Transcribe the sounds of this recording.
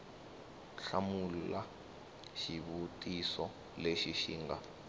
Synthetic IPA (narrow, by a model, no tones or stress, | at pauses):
ɬamula | ʃiβutʼisɔ | leʃiʃḭːŋɡa